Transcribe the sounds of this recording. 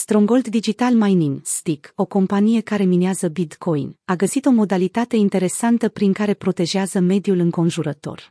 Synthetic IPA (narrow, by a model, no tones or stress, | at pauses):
st̪ɾoŋɡo̞ld̪ːid͡ʒit̪almajniŋst̪iko̞ko̞mpanije̞kaɾe̞mineazəbit̪kʰo̞jnaɡəsit̪o̞mo̞d̪alit̪at̪e̞int̪e̞ɾe̞sant̪əpɾiŋkaɾe̞pɾo̞t̪e̞ʒeazəme̞d̪ijulɨŋko̞nʒuɾət̪o̞̰r